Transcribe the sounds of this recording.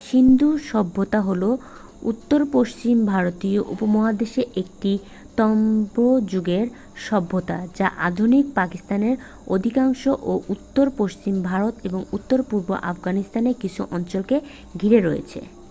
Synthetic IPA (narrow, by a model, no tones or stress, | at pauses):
ʃind̪uʃɔbʱːot̪aɦolo | ṵt̪ːoɾpoʃt͡ɕimbʱaɾot̪ioʔṵpomɔɦad̪eʃeʔek̚ʈi | t̪ɔmbod͡ʑuɡeɾ | ʃɔbʱːot̪ad͡ʑaʔad̪ʱunik̚pakist̪aneɾ | o̰d̪ʱikaŋʃoʔoʔut̪ːoɾpoʃt͡ɕimbʱaɾot̪eboŋut̪ːoɾpuɾbo̰ʔafɡanist̪anekit͡ɕʰuʔɔnt͡ɕɔolke | ɡʱiɾeɾɔjḛt͡ɕʰḛ